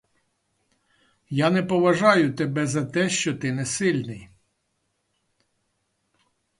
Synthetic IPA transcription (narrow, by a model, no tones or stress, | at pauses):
janɛpɔʋɐʒɑjʊt̪ebɛzɐt̪ɛʃt͡ʃɔt̪ɪnɛsɪlʲnɪj